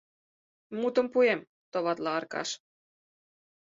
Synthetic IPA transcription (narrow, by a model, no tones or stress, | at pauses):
mut̪ə̆mpuem | t̪ŏβɑt̪lɑɑrkɑ̰ʃ